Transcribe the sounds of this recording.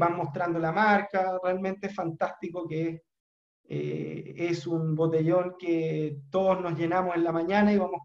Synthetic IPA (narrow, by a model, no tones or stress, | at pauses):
bamːo̞st̪ɾand̪olamaɾkarealment̪eesfant̪ast̪ikokees | ḛesunbo̞t̪e̞ʎo̞ŋket̪o̞ðozno̞zʝe̞namosenlamaɲanaiβamos